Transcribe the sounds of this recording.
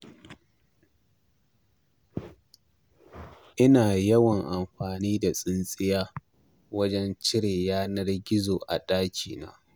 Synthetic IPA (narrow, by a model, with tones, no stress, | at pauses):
ʔɪ˦naː˨jɐ˦wɐ˨ŋʔa˨mɸaː˨niː˦da˨sʼɪ˦nsʼɪ˦jaː˦ | wɐ˦d͡ʒɛ˦nt͡ʃɪ˦ɽeː˨jaː˦nɐ˦rɡʲɪ˦zoː˨ʔa̰˨ɗaː˦kʲʰḭː˨na̰ː˦